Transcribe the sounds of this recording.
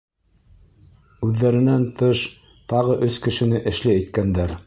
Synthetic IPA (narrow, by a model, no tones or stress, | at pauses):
ʉðːæɾɘ̆nænt̪ɤʃ | t̪ɑʁɤʔɵskɘ̆ʃɘ̆nɘʔɘ̆ʃlɘæjt̪kænd̪æɾ